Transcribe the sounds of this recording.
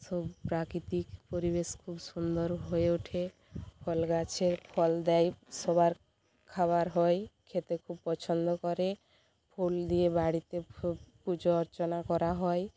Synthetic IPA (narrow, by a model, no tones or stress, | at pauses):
sɔbpɾakɾit̪ikpoɾibeskʰubsund̪ɔɾɦoeuʈʰe | pʰɔlɡat͡ʃʰeɾpʰɔld̪ɛjsɔbaɾ | kʰabaɾɦɔjkʰet̪ekʰubpɔt͡ʃʰɔnd̪ɔkɔɾe | pʰold̪iebaɽit̪epud͡ʒɔːɾt͡ʃɔnakɔɾaɦɔj